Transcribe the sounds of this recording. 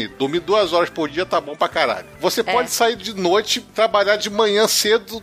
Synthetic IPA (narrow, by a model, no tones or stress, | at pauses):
ɪd̪uɾmid̪uɐzɔɾɐspoɾd͡ʒiɐt̪abõw̃pɾakaɾa̰ʎʊvosepɔd͡ʒɪsaiɾd͡ʒɪnojt͡ʃɪt̪ɾabaʎaɾd͡ʒɪmɐ̃ɲɐ̃sed̪ʊ